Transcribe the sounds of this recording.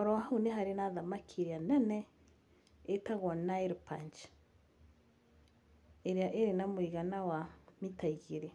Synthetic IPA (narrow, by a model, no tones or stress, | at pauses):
ɔɾɔɦuneɦaɾenaðamakʰiɾianɛnɛ | etaɣɔnaiɾpant͡ʃ | eɾiaʔeɾenamwiɣanawamitaiɣiɾe